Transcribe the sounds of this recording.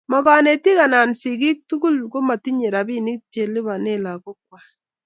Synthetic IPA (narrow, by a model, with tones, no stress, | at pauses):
mɔ˨ka˦ne˨ti˦ka˨na˨nsi˨ki˦k̚tu˦ku˦˨lko˦ma˨ti˦ɲe˨ɾa˨bi˦ni˦k̚t͡ʃe˨lɪ˦βa˨ne˦la˨ko˦k̚wa˨